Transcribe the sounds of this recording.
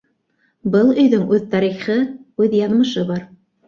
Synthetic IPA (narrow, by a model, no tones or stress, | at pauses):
bɤlˠɵ̆jðɵŋʔʉðt̪ɑɾiχɤʉðjɑðmɤ̆ʃɤβɑɾ